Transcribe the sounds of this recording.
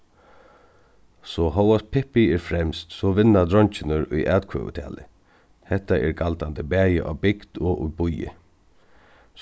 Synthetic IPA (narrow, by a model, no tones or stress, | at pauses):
sɔɦɔwas̚pʰɪhpɪɛɹfɾɛmst̪sɔʋɪnːad̪ɾɔɲt͡ʃɪnəɾʊjʔaːt̪kʰø̰ːʋə̰t̪ʰɛ̰ːlɪ | hɛht̪aʔɛɾɡalt̪ant̪əbæːjɪʔa̰ʋbɪkd̪ɔʔʊ̰bʊjɪ̰